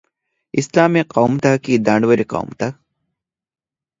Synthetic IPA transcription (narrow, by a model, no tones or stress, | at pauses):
islaːmiqawmt̪akid̪ãːɳɖʋəɾiqa̰ːmt̪a